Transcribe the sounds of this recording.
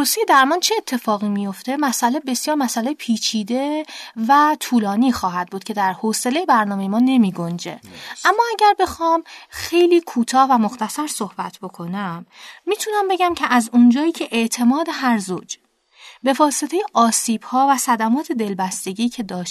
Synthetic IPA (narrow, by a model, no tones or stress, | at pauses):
ɾosejed̪æɾmɒːnt͡ʃʰeːt̪ʰːe̞fɒːɣiːmijo̞ft̪e̞mæsʔælebe̞sjɒːɾmæsælejepʰiːt͡ʃʰiːd̪e̞væt̪ʰuːlɒːniːxɒːɦæd̪̚buːd̪̚cʰe̞d̪æɾhoːse̞lejebæɾnɒːmejemɒːne̞miːɡond͡ʒe̞̰æmːɒːæɟæɾbe̞xɒːmxe̞jliːkʰuːt̪ʰɒːhvæmo̞xt̪æsæɾso̞hb̥æt̪ʰbo̞kʰo̞næmːiːt̪ʰunæmbeɟæmcʰeʔæzund͡ʒɒːjiːcʰe̞ʔeʔt̪ʰe̞mɒːd̪e̞ɦæɾzo̰ːd͡ʒ | be̞vɒːse̞t̪ʰe̞jeʔɒːsiːb̥hɒːvæsæd̪æmɒːt̪ʰe̞d̪e̞lbæst̪e̞ɟiːcʰe̞d̪ɒːʃ